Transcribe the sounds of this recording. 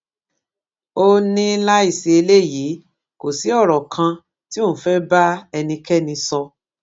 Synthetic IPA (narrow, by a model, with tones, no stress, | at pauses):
o˧nĩ˦la˦i˦˨se˧e˧le˦˨ji˨˦ | ko˨si˨˦ɔ˦˨ɾɔ˨kʰã˧ | ti˦õ˦˨fɛ˦ba˦ɛ˧nĩ˧kɛ˦nĩ˧sɔ˧